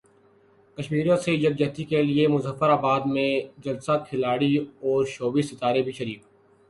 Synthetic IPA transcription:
kɐʃmiːɾijõsed͡ʒɐɡ̚d͡ʒɐɦt̪ikeliemʊzəfəɾaːbaːd̪mẽd͡ʒɐlsaːkʰɪlaːɽiɔːɾʃoːbisɪt̪aːɾebʱiʃɐɾiːk

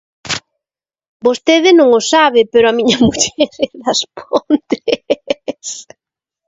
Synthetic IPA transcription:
bost̪eðɪnõŋosaβɪpeɾʊɐmĩɲɐmuʎɛɾðɐspʰont̪e | s

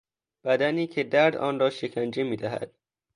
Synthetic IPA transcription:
b̥æd̪æniːcʰe̞d̪æɾd̪ɒ̰ːnrɒːʃecʰænd͡ʒemiːd̪æɦæ̰d̪̥̚

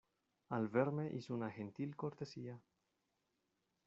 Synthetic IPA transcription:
alveɾmeʔisunaxent̪ilkoɾt̪esia

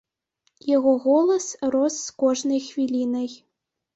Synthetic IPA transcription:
jeɣoɣolˠɤ̆sroskoʐnɤjxʋʲilʲinɘj

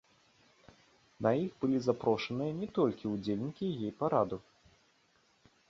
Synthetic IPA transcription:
nɐixbɨlʲizapɾɔʂɐnɨjɐnʲɛt̪ɔlʲkʲiud͡zʲelʲnʲikʲijejpaɾad̪u

